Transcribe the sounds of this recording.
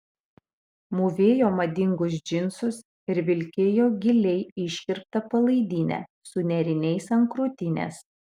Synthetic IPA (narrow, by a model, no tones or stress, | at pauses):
muʋʲeːjoːmɐd̪ʲɪŋɡʊs̬d͡ʒʲɪnsʊs | ɪɾʋʲɪlʲkʲeːjoːɡʲɪlʲɛɪɪʃʲkʲɪɾp̚t̪ɐpɐlˠɐɪd̪ʲiːnʲɛ̰ | sʊnʲɛɾʲɪnʲɛɪsɐŋkɾuːt̪ʲɪnʲḛs